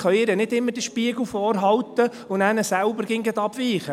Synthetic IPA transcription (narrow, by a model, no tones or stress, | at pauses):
χœɥɪɾənɪdɪmːəɾd̥iʃpiəɡl̩fɔːrɦɑwt̪ə | ʊnæːnəsælbəɾɡ̥ɪŋɡət̪ɑb̥ʋiːχə